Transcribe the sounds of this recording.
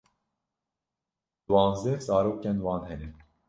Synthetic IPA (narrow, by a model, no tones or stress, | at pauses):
d̪̥wɑːnzd̪ɛzɑːɾoːkɛnwɑːnhɛnɛ